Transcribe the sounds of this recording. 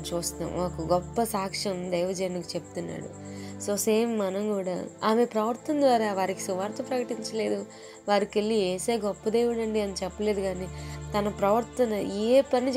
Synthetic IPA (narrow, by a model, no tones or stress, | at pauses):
t͡ʃuːst̪a̰maːkɐɡɔpːɐsaːkʂɐmd̪ɐjʋɐd͡ʒenikit͡ʃepu̥t̪unːa̰ːɽṵso̞ːseːmːɐnɐmkuːɽa̰ːaːme̞pɾɐʋɐɾt̪ɐnd̪ʋaːɾaːʋaːɾiki̥suʋaːɾt̪oːpɾɐkɐʈiɲt͡ʃɐle̞ːd̪u | ʋaːɾikelːieːseːɡɔpːɐd̪ejʋuɽɐɳɖiɐnit͡ʃɛpːɐle̞ːd̪uɡaːniːt̪ɐnɐpɾɐʋɐɾt̪ɐnɐeːpɐnit͡ʃ